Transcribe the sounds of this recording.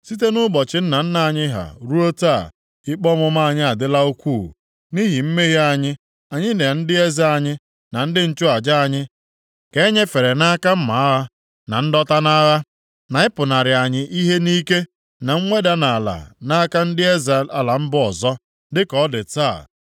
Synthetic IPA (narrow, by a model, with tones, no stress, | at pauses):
si˦t̬e˦nʊ˦ɡ͡bɔ˨t͡ʃɪ˦n̩˦na˨n̩˦na˦a˨ɲɪ˦ɦa̰˨ɾu˦o˦taː˦˨ | ɪ˦k͡pɔ˦mʊ˦m˦a˦˨ɲɪ˦a˨dɪ˦la˦o˦kʷu˦˨ | ni˦ɦi˨m̩˦me˦ɦi˦a˨ɲɪ˦ | a˨ɲɪ˦ne˨n̩˦dɪ˦e˦za˦a˨ɲɪ˦ | na˨n̩˦dɪ˦n̩˦t͡ʃʊ˦a˨d͡ʒa˦a˦˨ɲɪ˦ | ke˨˦ɲe˦fe˨ɾe˨na˦ka˦m̩˦ma˨a˦ɣa˦ | na˨n̩˦dɔ˦ta˦na˦ɣa˦ | na˨ɪ˦pʊ˨na˨ɾɪ˨a˨ɲɪ˦ʔi˦ɦe˦ni˦ke˦ | na˨ŋ̩˦ŋʷe˦da˦na˨la̰˨na˦ka˦n̩˦dɪ˦e˦za˨la˨la˨m̩˦bʊ˦ɔ˨zɔ˦ | dɪ˦kɔ˨˦dɪ˨taː˦˨